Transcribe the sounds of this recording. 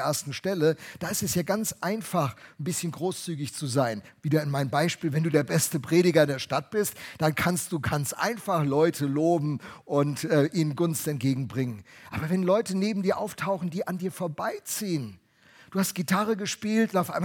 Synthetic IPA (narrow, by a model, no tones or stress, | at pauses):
ʔeːɐstn̩ʃtɛləd̥aːɪstɛsjaːɡant͡sʔaɪnfaχn̩bɪsçənɡʁoːst͡syːɡɪçt͡suzaɪn | viːdɐɪnmaɪnəmbaɪʃpiːlvɛnduːdeːɐbɛstəpʁ̥eːɾɪɡɐɪndeːɐʃtat̚b̥ɪstd̥ankʰanstd̥uːkʰanstʔa̰ɪnfaχlɔʏtʰəloːbm̩ʔʊntʔɛːʔiːnənɡʊnstɛnt̚ɡ̥eːɡŋ̩bʁɪŋənʔa̰ːbɐvɛnlɔʏtəneːbm̩diːɐʔa̰ʊftʰaʊxn̩diːʔandiːɐfoːɐbaɪt͡siːən | d̥uːhast̚ɡ̥itʰaʁəɡəʃpiːltnaʊfʔaɪ